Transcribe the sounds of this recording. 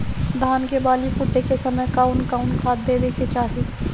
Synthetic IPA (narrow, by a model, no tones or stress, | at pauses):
d̪ʱaːnkebaːlifʊʈːekesɐməjkaːʊnkaːʊnkʰaːd̪̚d̪ed̪ekʰet͡ʃaːɦi